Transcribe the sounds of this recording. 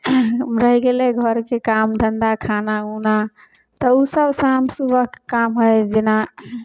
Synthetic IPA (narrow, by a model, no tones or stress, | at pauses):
ɾəɦiɡeleɡʱəɾkekamd̪ʱənd̪akʰanauna | t̪əusəbsamsubəɦkkamɦojd͡ʒena